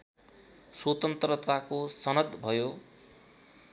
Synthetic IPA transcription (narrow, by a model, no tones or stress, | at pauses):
swot̪ʌnt̪rʌt̪akosʌnʌd̪bʱʌjo